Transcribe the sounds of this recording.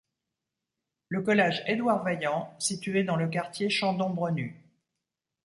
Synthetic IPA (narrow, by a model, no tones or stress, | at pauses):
ləkɔlɛʒed̪waʁvajɑ̃sit̪yed̪ɑ̃ləkaʁt̪jeʃɑ̃d̪ɔ̃bʁəny